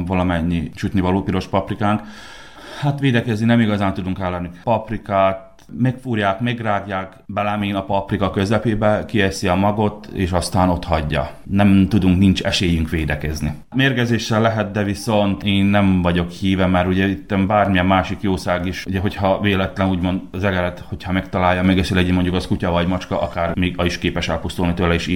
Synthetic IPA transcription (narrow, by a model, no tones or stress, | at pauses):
vɒlɒmɛɲːit͡ʃut̪nivɒloːpiɾo̞ʃpɒprikaːŋk | hat̪ʋeːd̪ɛkɛzninɛmiɡɒzaːnt̪ud̪uŋkɛlːɛnipɒprikaːt̪̚ | mekfuːɾjaːk̪meɡraːɡjaːk | bɛlɛmiːnɒpɒprikɒkø̞zɛpeːbɛkiesiɒmɒɡot̪ḛːʃɒst̪aːno̞t̪hɒɟːɒ̰ | nɛmt̪ud̪uŋknint͡ʃɛ̰ʃeːjyŋkʋeːd̪ɛkɛzni | meːrɡɛzeːʃːɛlːɛɦɛt̪̚d̪ɛviso̞nt̪eːnːɛɱvɒɟo̞khiːvɛmɛɾuɟɛit̪ːɛmbaːrmijɛmːaːʃikjoːsaːɡiʃuɟɛɦo̞chɒveːlɛt̪lɛnuːɟmo̞nd̪zɛɡɛɾɛt̪ho̞chɒmɛkt̪ɒlaːjːɒmɛɡɛsilɛɟimo̞ɲɟukɒskucɒvɒɟmɒt͡ʃkɒʔɒkaːrmiːɡɒiʃkeːpɛʃɛlpust̪ulnit̪øːlɛiːʃiː